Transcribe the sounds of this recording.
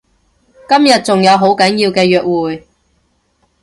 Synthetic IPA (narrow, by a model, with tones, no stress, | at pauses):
kɐ˥mjɐ˨t̚t͡sʊ˨ŋjɐ˨˧wɦo˨˥wkɐ˨˥njiː˧wkɛː˧jœː˨k̚wuː˨j